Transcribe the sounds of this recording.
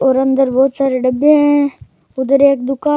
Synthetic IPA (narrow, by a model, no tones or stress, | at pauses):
oːɾɐnd̪əɾbɔːt̪saːɾeɖəbjẽɦẽ | ʊd̪əɾeːkd̪ʊkaː